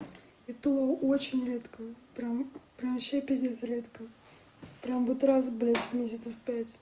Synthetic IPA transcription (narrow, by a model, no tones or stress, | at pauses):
ɪt̪uəʔot͡ɕɪnʲɾʲet̪kəpɾpɾʲamɕepʲɪzʲd̪ʲesəɾʲet̪kə | pɾʲambudʲɪt̪ɾasblʲætʲvʲmʲesʲɪt̪səfpʲætʲ